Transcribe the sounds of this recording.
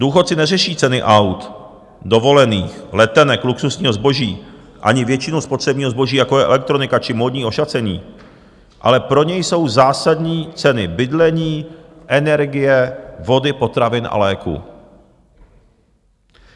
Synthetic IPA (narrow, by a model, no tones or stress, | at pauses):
duːxot̪̚t͡sɪnɛrɛʃiːt͡sɛnɪʔawt̪ | do̞vo̞lɛniːxlɛt̪ɛnɛkluksusɲiːɦo̞zbo̞ʒiː | ʔa̰ɲɪvjɛt͡ʃɪnuspo̞t̪r̝̥ɛbɲiːɦozbo̞ʒiːjakojɛʔɛ̰lɛk̚t̪ɾo̞nɪkat͡ʃɪmo̞ːdɲiːʔo̞ʃat͡sɛɲḭː | ʔa̰lɛpɾo̞ɲɛjso̞wzaːsadɲiːt͡sɛnɪbɪdlɛɲiːʔɛnɛɾɡɪjɛvo̞dɪpo̞t̪ɾavɪnʔa̰lɛːkṵ